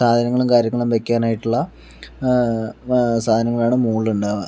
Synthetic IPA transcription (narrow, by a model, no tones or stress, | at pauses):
saːd̪ʱɐnɐŋːɐɭumkaːɾjɐŋːɐɭumʋekʲːaːnaːjiʈːuɭːɐ | saːd̪ʱɐnɐŋːɐɭaːɳɨmuːɭuɳɖɨ